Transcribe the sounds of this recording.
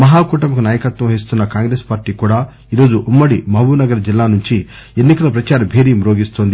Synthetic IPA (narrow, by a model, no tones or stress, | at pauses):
mɐɦaːkuːʈɐmbɐkunaːjɐkɐt̪ʋɐ̃mɐis̬t̪unːɐkaːŋɡɾeːspaːɾʈiːkuːɽaː | iːɾo̞ːd͡ʒuʔumːɐɽimɐbuːnɐɡɐɾɐd͡ʒilːaːnuɲt͡ʃi | enːikɐlɐpɾɐt͡ʃaːɾɐbʱeːɾiːɐmɾo̞ːɡist̪oːnd̪i